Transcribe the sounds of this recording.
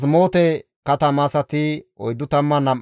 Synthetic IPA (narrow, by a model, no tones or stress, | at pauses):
s̬mo̞ːt̪ɛ | kɐt̪ɐmasɐt̪ɪɔjd̪ːʊt̪ɐmːɐnɐm